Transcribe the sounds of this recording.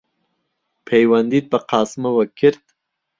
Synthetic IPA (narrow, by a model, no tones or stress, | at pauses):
pʰejwand̪iːt̪̚bɐqɑːsmɐwɐkʰɪɾd̪